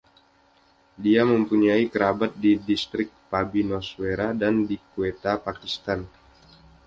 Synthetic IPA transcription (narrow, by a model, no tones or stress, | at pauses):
diaməmpuɲaikəɾabat̪̚didist̪ɾɪk̚pabinɔsweɾadandikuet̪apakist̪an